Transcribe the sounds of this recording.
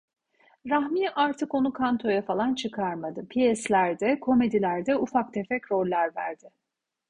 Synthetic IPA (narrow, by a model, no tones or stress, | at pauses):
ɾahmiʔaɾt̪ʰɯko̞nukʰant̪ʰo̞jafalˠant͡ʃʰɯkʰaɾmad̪ɯpʰijɛslʲæɾd̪ɛkʰo̞me̞d̪ilʲæɾd̪ɛufak̚t̪ʰefɛcɾo̞lʲːæɾvæ̰ɾd̪̥ɪ